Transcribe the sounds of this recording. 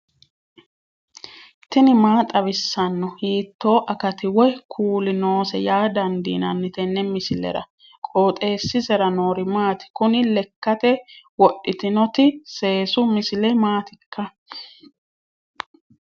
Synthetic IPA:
t̪ɪnɪmaːt̪ʼɐβɪsːɐnːɔhiːt̪ːo̞ːʔɐkɐt̪ɪwɔjkʰuːlɪno̞ːsɛjaːd̪ɐnd̪ḭːnɐnːɪt̪ɛnːɛmɪsɪlɛ̰ɾɐ̰ | kʼoːt̪ʼe̞ːsːɪzɛɾɐno̞ːɾɪmaːt̪ɪ̥kʊnɪlɛkːɐt̪ɛwɔʔːɪt̪ɪnɔt̪ɪse̞ːsʊmɪsɪlɛmaːt̪ɪkʰːɐ

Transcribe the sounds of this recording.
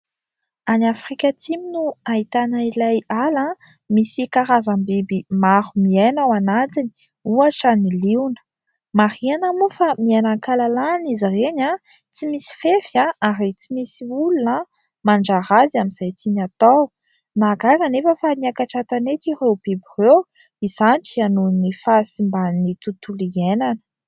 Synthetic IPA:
anafrikʲat̪iminuaɦit̪anailajala | misikaɾazambibimaɾumiajnawanat̪ini̥ | uaʈ͡ʂəniliwnə̥ | maɾianamufamianaŋkalalaːnizireɲa | t͡simisi̥fefjaaɾit͡simisiulunə | maɳɖ͡ʐaɾazamiz̥ajt͡siɲat̪aw | naɡakanefəfaniakaʈ͡ʂat̪anet̪irewbibirew | iz̥anit͡ʃianunifasimbanit̪ut̪ulienanə̥

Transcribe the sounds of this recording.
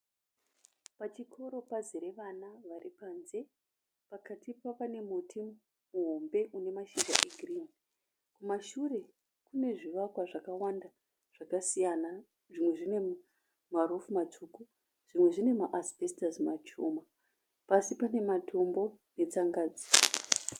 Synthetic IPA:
pat͡ʃikʰo̞ɾo̞paziɾe̞ʋanaʋaripaːnze̞ | pakatipapane̞mutʰi | muɦo̞mbe̞ʔune̞maʃid͡ʒa̰ʔeɡʱrin | kumaʃure̞ | kune̞ʐiʋakwaʐakawanda | ʐ̥akasijana | ʐimwe̞ʐine̞ | maɾufumat͡ʂuku | ʐ̥imwe̞ʐine̞maʔasbʱestazimat͡ʃuma | pasipane̞matʰo̞mbo̞ | ne̞t͡saŋɡaːd͡zi

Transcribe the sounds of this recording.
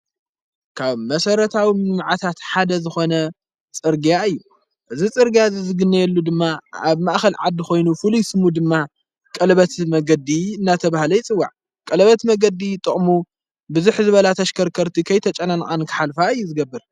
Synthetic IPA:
kʰaβmɐsɐɾɐt̪ʰawinɨmʕat̪ʰat̪ħad̪ɐzɨxo̞nɐ | t͡sʼɨɾɡjaɨjːu | ʔɨzit͡sʼɨɾɡjazzɨɡɨnːɐjɛlːud̪ɨmːaaβmaʔxɐlʕad̪ːɨxo̞jnufɨlujsɨmud̪ɨmːa | kʼɐlβɐt̪mɐɡɐd̪iɨnːat̪ʰɐβahlɐjɪt͡sʼɨwːa̰ʕ | kʼɐlɐβɐt̪mɐɡɐd̪it̪ʼɨχʼmu | bɨzuħzɨβɐlat̪ʰɐʃkʰɐɾkʰɐɾt̪ʰikʰɐjt̪ʰɐt͡ʃʼɐnankʼankʰɨ̥ħalfaɨjːuzɨɡɐbːɨɾ

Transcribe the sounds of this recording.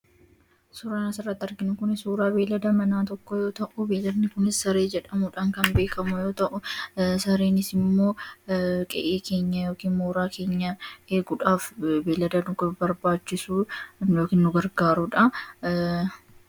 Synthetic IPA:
suːɾaːnɐsɪrːɐt̪ːɐɾɡɪnʊkʊnɪsuːɾaːbe̞ːlɐd̪ɐmɐnaːt̪ɔkːɔjo̞ːt̪ɐʔʊbe̞ːlɐd̪nɪkʊnɪsːɐɾe̞ːd͡ʒɛᶑɐmʊᶑaːŋkɐnbe̞ːkɐmʊjo̞ːt̪ɐʔʊsɐɾeːnɪsɪmːo̞ː | kʼɛ̰ʔeːkʰe̞ːɲːɐjo̞ːkiːnmoːɾaːkʰe̞ːɲːɐeːɡʊᶑaːfbeːlɐd̪ɐnʊɡbɐɾbaːt͡ʃːɪsuːjoːkiːnːʊɡɐɾɡaːɾʊᶑɐ

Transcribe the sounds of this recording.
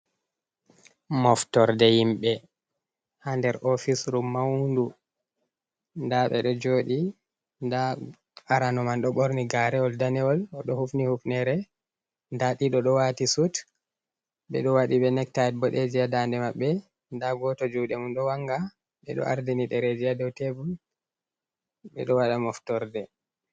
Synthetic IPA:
mɔftɔɾdɛhimɓɛ | handɛɾʔɔfisɾumːawndu | ndaɓɛ̰ɗɔd͡ʒoːɗi | nda | aɾanɔmanɗɔɓoɾniɡaɾɛɔldanɛɔlɔɗɔhufnihufnɛɾɛ | ndaɗiɗɔɗɔwatisut | ɓɛ̰ɗɔwaɗiɓɛnɛk̚taɛt̚bɔɗed͡ʒijadandɛmaɓːɛ | ndaɡɔtɔd͡ʒuɗɛmunɗɔwaŋɡa | ɓɛɗɔ̰ʔa̰ɾdiniɗɛɾed͡ʒiadɔwtebul | ɓɛ̰ɗɔwaɗamɔftɔɾdɛ

